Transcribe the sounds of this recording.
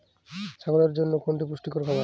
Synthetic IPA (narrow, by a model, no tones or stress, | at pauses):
ʃʰaɡolaɾd͡ʑonːokʰoɳʈipɾuʃʈikoɾkʰɔba